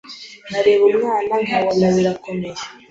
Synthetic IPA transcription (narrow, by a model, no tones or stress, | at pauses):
naɾe̞ːβumŋaːnaŋɡaβonaβiɾako̞meɾe̥